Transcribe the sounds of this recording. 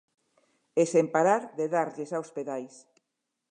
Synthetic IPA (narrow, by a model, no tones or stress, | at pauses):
esempaɾaɾðeðaɾʎesaospeðajs